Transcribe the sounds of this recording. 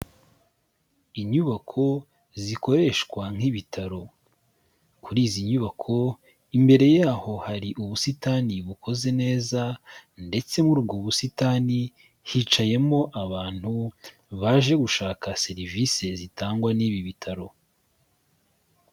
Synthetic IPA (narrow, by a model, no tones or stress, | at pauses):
iɲuβakʰo̞ | ziko̞ɾe̞ʃkwaŋ̥iβitʰaɾo̞ | kuɾiːziɲuβakʰo̞ | imbe̞ɾe̞jaːho̞haɾiʔuβusitaːniβukʰo̞ze̞ne̞ːzande̞t͡se̞muɾub̚ɡoβusitaːni | hit͡ʃaje̞mo̞ʔaβaːn̥hu | βaʒe̞ɡuʃaːkase̞ɾivise̞zitaːŋɡwaniːβiβitʰaɾo̞